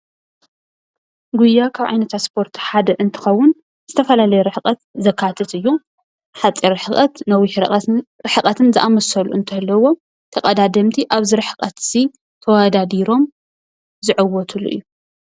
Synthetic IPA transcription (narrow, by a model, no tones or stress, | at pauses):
ɡujːakʰaβʔʕa̰jnɐt̪ʰaspʰo̞ɾt̪ʰħad̪ɐʔɨnt̪ʰɨ̥xɐwːʊn | zɨt̪ʰɐfɐlalɐjɛɾɨħkʼɐt̪zɐkʰːat̪ʰɐt̪ɨjːu | ħat͡sʼːiɾɨħɨkʼɐt̪nɐwiħɾɨħɨkʼɐt̪ʰɨnzɨʔamɐsɐluʔɨnt̪ʰɐlːɐwo̞ | t̪ʰɐkʼɐd̪ad̪ɐmt̪ʰiʔaβzɨɾɨħɨkʼɐt̪si | t̪ʰɐwad̪ad̪iɾo̞m | zɨʕɨwɔt̪ʰulṵʔɨ̰jːu